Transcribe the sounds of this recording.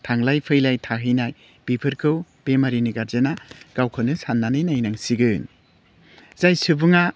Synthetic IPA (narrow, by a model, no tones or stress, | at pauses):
tʰaŋlajpʰɯjlajtʰaɦɯjnaj | b̥ipʰɯɾkʰɯw | b̥emaɾiniɡaɾzenaɡ̥awkʰɯnɯsanːanɯjnajnaŋsiɡɯn | z̥ajsɯbuŋa